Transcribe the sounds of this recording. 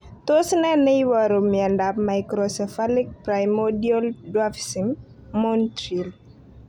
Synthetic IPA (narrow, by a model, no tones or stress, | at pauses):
tosnɛnɛjwɔɾomjɛndapmajkɾɔsɛfalik̚pɾajmɔdiɔldwafsimː | ontɾil